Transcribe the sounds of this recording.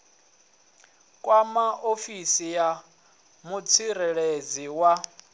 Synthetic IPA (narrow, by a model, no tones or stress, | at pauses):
kʼwamaʔofisija | mut͡sʰiɾɛɺed͡ziwa